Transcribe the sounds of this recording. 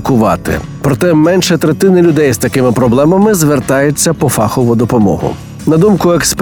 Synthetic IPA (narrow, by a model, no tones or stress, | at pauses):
kʊʋɑ̰t̪ɪ̰ | pɾɔt̪ɛmɛnʃɛt̪ɾet̪ɪnɪlʲʊd̪ɛjzt̪ɐkɪmɪpɾɔblˠɛmɐmɪzʋert̪ɑjʊt͡sʲːɐpɔfɑxɔʋʊd̪ɔpɔmɔ̰ɦʊ̰ | nɐd̪umkʊeksp